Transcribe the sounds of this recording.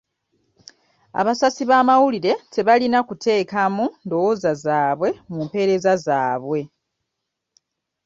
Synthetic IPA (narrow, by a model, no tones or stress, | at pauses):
a̰βasasiβaːmawuliɾe̞te̞βalinakutʰe̞ːkamundo̞wozazaːβwe̞mumpe̞ɾe̞zazaːβwe̞